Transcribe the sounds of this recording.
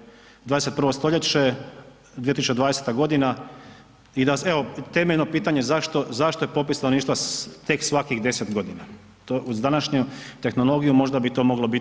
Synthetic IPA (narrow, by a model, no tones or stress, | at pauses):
d̪vaːd̪eset̪pɾr̩ʋost̪o̞ʎe̞t͡ɕe | d̪ijet̪isut͡ʃed̪ʋaːd̪eset̪aɡo̞d̪ina | id̪aeo̞t̪e̞meʎnopiːt̪aɲe̞zaʃt̪o̞zaʃt̪o̞jepo̞pisanoniʃt̪ʋat̪e̞ksʋakixd̪e̞set̪ɡo̞d̪ina | t̪oʔuzd̪anaʃɲut̪e̞xno̞lˠo̞ɡijumo̞ʒd̪abit̪o̞mo̞ɡlo̞bi